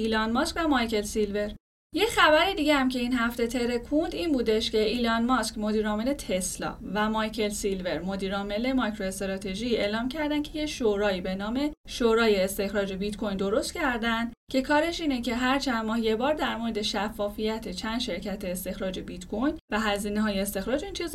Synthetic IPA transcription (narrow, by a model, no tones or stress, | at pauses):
ilɒnmɒskcʲvæmɒjce̞lsilve̞ɾ | je̞cχæbæɾid̪iːɟehæmcʰe̞iːnhæft̪et̪ʰe̞ɾe̞kʰund̪iːnbuːd̪e̞ʃce̞ʔilɒnmɒskmo̞d̪iːɾɒːme̞le̞t̪ʰe̞slɒ̰væmɒjcʰe̞lsilve̞ɾmo̞d̪iːɾɒːme̞le̞mɒjkʰɾo̞est̪ɾɒt̪ʰe̞ʒie̞ːlɒːmcʰæɾd̪æncʰe̞je̞ʃoɾɒːiːbe̞nɒːme̞ | ʃoɾɒːje̞ːst̪e̞xɾɒːd͡ʒe̞bit̪kʰo̞jnd̪o̞ɾo̞st̪cʰæɾd̪ænd̪̥ | cʰe̞kʰɒːɾe̞ʃiːne̞ce̞ɦæɾt͡ʃʰænmɒːhje̞bɒːɾd̪æɾmo̞ɾe̞d̪e̞ʃæfːɒːfijæt̪ʰe̞t͡ʃʰænd̪̥ʃe̞ɾcʰæt̪ʰe̞ːst̪e̞xɾɒːd͡ʒe̞bit̪kʰojnvæɦæziːneɦɒːjeːst̪e̞xɾɒːd͡ʒeiːnt͡ʃʰiz